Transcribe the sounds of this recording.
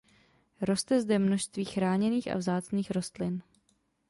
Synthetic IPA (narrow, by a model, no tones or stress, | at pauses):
ɾo̞st̪ɛzdɛmno̞ʃst̪viːxɾaːɲɛniːxʔa̰vzaːt͡sniːxɾo̞st̪lɪn